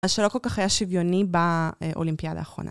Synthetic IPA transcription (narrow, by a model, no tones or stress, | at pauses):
aʃelo̞ko̞lkaχajaʃivjo̞nibaʔo̞̰limpijad̪a̰ːχʁo̞na̰